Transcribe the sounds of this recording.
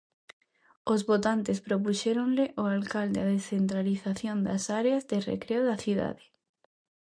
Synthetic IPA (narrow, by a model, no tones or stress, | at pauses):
ozβot̪ant̪espɾop̬uʃeɾõnleʔoalkald̪eaðesθent̪ɾaliθaθjond̪asaɾeazðerḛkɾeoðaθiða̰ðe̥